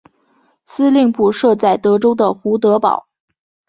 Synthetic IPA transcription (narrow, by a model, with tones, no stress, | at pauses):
sɹ̩˥li˥˧ŋpu˥˩ʂɤ˥˧t͡sa˥˩ɪt̪ɤ˧˥ʈ͡ʂo˥ʊd̪ə˨xu˧˥t̪̬ɤ˧˥pɑ̰˨˩˦ʊ